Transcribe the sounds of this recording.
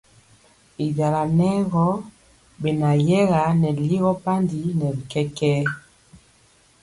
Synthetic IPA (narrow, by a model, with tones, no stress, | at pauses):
e˨va˨la˨nɛ˦ɣɔ˦ | be˨na˨jɛ˦ɣa˨˦nɛ˨li˦ɣɔ˦pa˦ndi˨nɛ˨bi˨kɛ˦kɛ˦